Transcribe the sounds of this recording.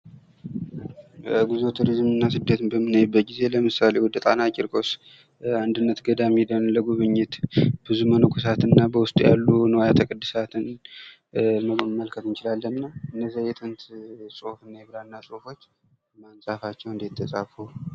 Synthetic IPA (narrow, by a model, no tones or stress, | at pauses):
əɡuzot̪ʰuɾizmɨnːasɨd̪ːət̪bəmːɨnəjɛbːət̪̚ɡize̞ləmɨsale̞wɔd̪ət̪ʼanat͡ʃʼːɪɾkʼo̞s | and̪ɨnːət̪ɡəd̪amid̪ənləɡuβɨɲːɪt̪bɨzumənukʰʷus̬at̪ɨnːabəwʊst̪ʼjalːunəwjat̪ʰəkʼɨd̪ːɨsat̪ʰɨn | məmːəlkʰət̪ɨnt͡ʃɪlalːəmnəwɨnːəzːajɛt̪ʼɨnt̪sʼo̞fɨnːajɛβɾanːasʼo̞fo̞t͡ʃː | mansʼafat͡ʃːɛwɨnd̪jt̪ʰːəsʼafu